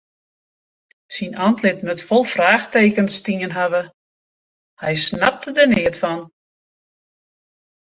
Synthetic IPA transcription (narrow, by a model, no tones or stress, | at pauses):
sinʔantlɪtmøtfɔlˠfraːxteːkənstiənɦaʋə | hɛjsnap̚tədənɪətfɔn